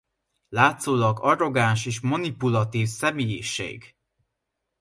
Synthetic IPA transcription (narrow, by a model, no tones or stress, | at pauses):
laːt̪soːlɒɡɒɾo̞ɡanʃeːʃ̬mɔnipulɒt̪iːfsɛmeːjeːʃḛːɡ